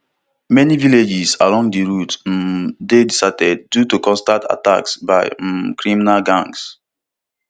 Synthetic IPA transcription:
mɛniviled͡ʒisalɔ̃ŋɡdiɹut | dedisatɛd̚ːjutukɔ̃nstata̰ta̰ksbaɪkɹiminalɡãŋs

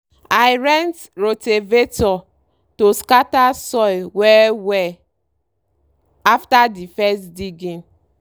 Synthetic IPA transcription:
ajɾɛ̃nt | ɹotevetɔ | toskatasɔɪwɛwɛ | aftadifɛstdiɡẽn

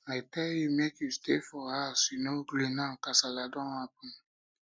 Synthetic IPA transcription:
aɪtɛljumekjustefɔhasinoɡlinãkasaladɔ̃apũn

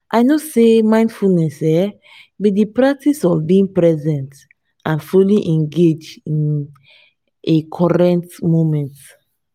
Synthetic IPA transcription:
ʔaɪnosemãɪ̃nd̥fulnɛsɛ | bidipɹak̚tʰisɔvbiĩŋpɹɛzɛ̃nt | ãnfuliʔɛ̃ŋɡed͡ʒdĩn | ekʰɔɹɛ̃ntmomɛ̃nt

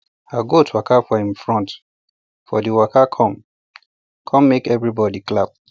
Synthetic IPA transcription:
aɡotʰwakafɔĩmfɹɔ̃nt | fɔdiwakʰakʰɔ̃m | kʰɔ̃mːekɛvɹibɔdiklap̚

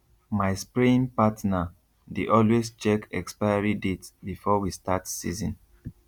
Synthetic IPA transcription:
maɪspɹĩnpatna | deʔɔlwest͡ʃɛkɛkspaɪaɹidetsbifɔwistatsḭzɔ̃n

